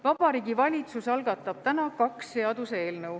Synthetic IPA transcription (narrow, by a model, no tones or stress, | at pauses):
vɑb̥ɑɾiːɡivɑlʲit̪susɑlɡɑt̪ːˑɑb̥̚t̪ænɑkɑksːe̞ɑd̪̥use̞ːlnɤw